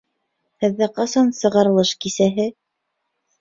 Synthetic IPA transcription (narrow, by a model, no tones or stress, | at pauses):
hɘ̆ðːæqɑsɑnsɤ̆ʁɑɾɤ̆lˠɤʃkisæɦɘ